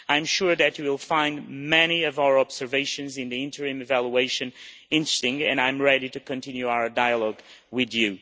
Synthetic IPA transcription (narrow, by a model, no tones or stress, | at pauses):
ãɪ̃mʃʊɹðɨt͡ʃɨwɪlˠfãɪ̃ndmɛniʌvaʊə˞ɑbz̥ə˞veɪʃɨ̃nzɨ̃nðiɪ̃ntʰə˞ɨ̃mɨvælˠjueɪʃɨ̃n | ɪ̃ntɹ̥ɨ̥stɪ̃ŋtɨ̰̃nãɪ̃mɹɛɾiɾɨkɨ̃ntʰɪ̃njʉaʊə˞daɪəlˠɔɡ | wɪðjʉ